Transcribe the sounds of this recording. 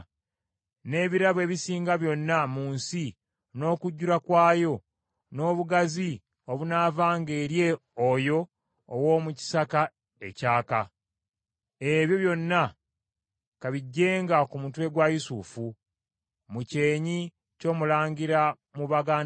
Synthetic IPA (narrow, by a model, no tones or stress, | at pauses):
ne̞ːβiɾaβe̞ːβisiːŋɡaβjo̞nːamuːnsi | no̞ːkuɟːuɾakwaːjo̞ | no̞ːβuɡazi | oβunaːvaːŋɡe̞ːɾje̞ojo̞ː | wo̞ːmuci̥saka | e̞̰caːka | eβjo̞βjo̞nːa | kaβiɟːe̞ːŋɡakumutue̞ɡwajusufu | muce̞ːɲi | co̞ːmulaːɲɡiɾa | muβaɡa